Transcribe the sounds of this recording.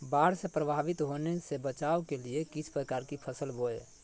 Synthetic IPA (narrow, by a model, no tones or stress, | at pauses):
baːɽsepɾəbʱaːbɪt̪ɦonesebət͡ʃaːokeliekit͡ʃʰpɾəkaːɾkipʰəsəlboḛ